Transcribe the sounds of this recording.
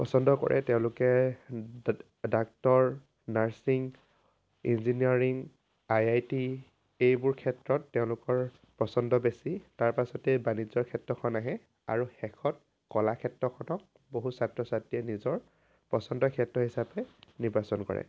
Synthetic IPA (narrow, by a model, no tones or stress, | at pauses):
pɔ̰sɔndɔkɔ̰ɹʔɛ̰tɛʊ̃lʊkɛ | dak̚tɔɹ | naɹsiŋ | inziniɔɹiŋ | ajajti | ejbʊɹkʰɛtɹɔtːeʊ̃lʊkɔɹ | pɹɔsɔndɔbesitaɹpasɔtɛbanid͡ʒɔɹkʰɛtɹɔkʰɔnaɦɛ | a̰ɹuxɛkʰɔt̚ | kɔlakʰɛtɹɔkʰɔnɔk̚ | boɦusatɹɔsatiɛnizɔɹ | pɹɔsɔndɔkʰɛtɹɔɦisapɛniɹbasɔnkɔ̰ɹɛ̰